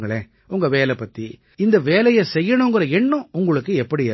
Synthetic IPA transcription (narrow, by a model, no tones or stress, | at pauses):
ŋɡɐɭeː | ʊŋɡɐʋeːlɛpːɐt̪ːi | ɪnd̪ɐʋeːlɐjɐsɛjːɐɳʊ̃ŋɡɪɾɐɛnːʊ̃ʊŋɡɐɭɯkːɯɛpːɐɽiɛ